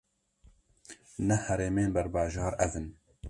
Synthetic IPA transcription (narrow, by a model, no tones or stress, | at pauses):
nɛhɛɾeːmeːnbɛɾbɑːʒɑːɾɛzɨn